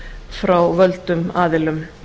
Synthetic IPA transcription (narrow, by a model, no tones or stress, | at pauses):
fɾawvœlt̪ʏmaːðɪlʏm